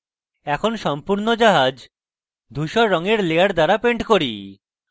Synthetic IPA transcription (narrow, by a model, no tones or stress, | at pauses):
ɛkʰonʃɔmpuɾnod͡ʑaɦad͡ʑ | d̪ʱuʃɔɾːɔŋeɾlejaɾd̪aɾapeɳʈkoɾḭ